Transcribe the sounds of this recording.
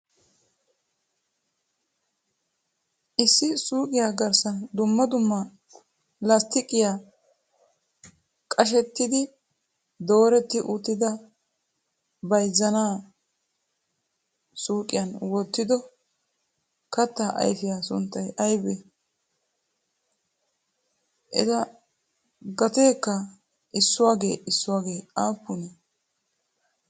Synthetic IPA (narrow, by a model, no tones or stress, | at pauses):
ʔɪsːɪsuːkʼɪjaːɡɐɾsɐnd̪ʊmːɐd̪ʊmːɐ | lɐst̪ɪkʼɪjaː | kʼɐʃ̬ɛt̪ːɪd̪ɪ | d̪o̞ːɾɛt̪ːɪʔʊt̪ːɪd̪ɐ | bɐjzːɐnaː | suːkʼɪjɐnwɔt̪ːɪd̪ɔ | kɐt̪ːaʔɐ̰jfɪjaːsʊnt̪ːɐjʔɐjbɛ | ʔɪzɐ | ɡɐt̪eːkːɐ | ʔɪsːʊwaːɡe̞̰ːʔɪsːʊwaːɡe̞ːaːpːʊnɛ